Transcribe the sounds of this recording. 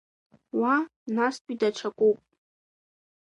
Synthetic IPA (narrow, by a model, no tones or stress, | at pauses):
wanaspʼidaʈ͡ʂʰakʷʼupʼ